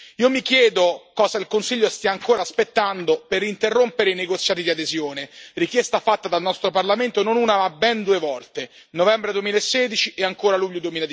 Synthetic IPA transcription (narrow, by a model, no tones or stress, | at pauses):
iːomikjɛːd̪okɔːzailkonsiʎːost̪iaːŋkoːɾaːspet̪ːand̪operint̪erːompeɾeineɡot̪sːjaːt̪id̪iad̪ezjoːnerik̟jɛst̪afat̪ːad̪alnɔst̪ɾoparlament̪ononuːnamabɛnd̪uːevɔlt̪e | novɛmbɾed̪uemilaesːɛːd̪it͡ʃiʔeaŋkoːɾaluʎːod̪uwemiːlad̪